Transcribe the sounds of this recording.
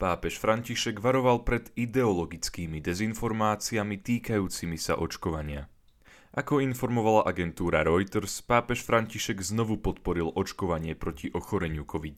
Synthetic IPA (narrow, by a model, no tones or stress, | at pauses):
paːpɛʃfɾaɲciʃɛɡʋaɾɔʋalpɾɛd̪id̪ɛɔlɔɡit͡skiːmid̪ɛzinfɔɾmaːt͡siamit̪iːkajuːt͡simisa̰ʔɔt͡ʃkɔʋaɲɪa | ʔakɔinfɔɾmɔʋalaʔaɡɛnt̪uːɾaɾɔjt̪ɾspaːpɛʃfɾaɲciʃɛɡznɔʋupɔt̪pɔɾilɔt͡ʃkɔʋaɲɪɛpɾɔciʔɔxɔɾɛɲɪukʰɔʋit̪